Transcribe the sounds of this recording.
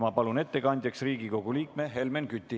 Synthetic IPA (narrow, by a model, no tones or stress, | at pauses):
mɑpɑlune̞t̪ːe̞kɑnʲd̪̥ʲjɑksriːɡiko̞ɡ̥uliːk̚meɦe̞lmenkyt̪ʲːˑi